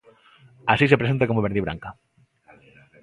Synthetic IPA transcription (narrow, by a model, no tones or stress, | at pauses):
asisepɾeent̪akomoβeɾðiβɾa̰ŋka